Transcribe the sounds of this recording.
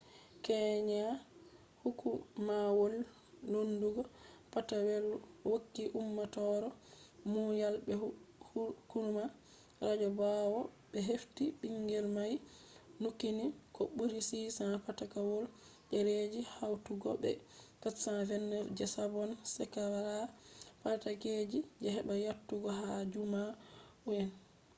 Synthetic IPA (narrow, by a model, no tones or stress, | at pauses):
kɛɲa | hukumawolː | onduɡɔpatawɛlwokːiʔumːatɔɾɔmujalbɛ | kuɾma | ɾad͡ʒɔbawɔɓɛɦeftiɓiŋɡɛlmaj | nukːinikɔɓuɾisisapatakawɔl | ʔɛɾed͡ʒihawtuɡɔbɛ̰kasavɛnːɛfd͡ʒɛsabɔnsɛkawaɾapataked͡ʒid͡ʒɛɦɛɓajatːuɡɔɦad͡ʒuma | ujɛn